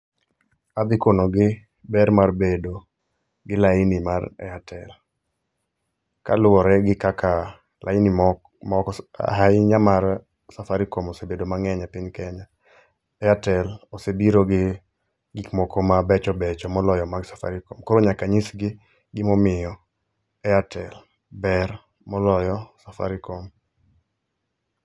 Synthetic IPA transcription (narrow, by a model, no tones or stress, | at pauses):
ad̪ɪkonoɡɪ | bɛɾmarbedo | ɡɪlaɪnimarɛ̰atʰɛl | ka̰lʊɔɾɛɡɪkːakʰa | lʔa̰ɪni | mɔkɦaɪɲamaɾ | safaɾikomosebedomaŋɛɲapɪɲkɛɲa | ɛatɛlosebiɾoɡɪ | ɡɪkmɔkomabɛt͡ʃɔbɛt͡ʃɔmɔlɔjɔmaɡsḁfa̰ɾɪkomkoɾoɲakaɲisɡɪ | ɡɪmɔmɪjɔ | ɛatʰɛl | bɛɾ | mɔlɔjɔsafa̰ɾɪkom